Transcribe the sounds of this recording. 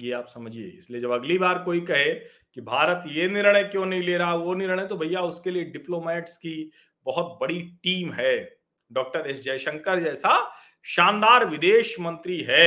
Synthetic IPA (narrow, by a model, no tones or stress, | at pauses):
jeaːpsɐməd͡ʒʱiḛɪslied͡ʒɐbɐɡlibaːɾkoːikɐɦẽ | kibʱaːɾət̪jenɪɾɽ̃əjkjõːnɐɦĩleːɾaaʋonɪɾɽ̃et̪obʱɐjaʊskelieɖɪploːmɛːʈski | bɐɦʊt̪bɐɽiʈiːmɦɛː | ɖɔːk̚ʈəɾeːsd͡ʒɛːʃə̃ŋkəɾd͡ʒɛːsa | ʃãːnd̪aːɾʋɪd̪eːʃmɐ̃nt̪ɾiɦɛː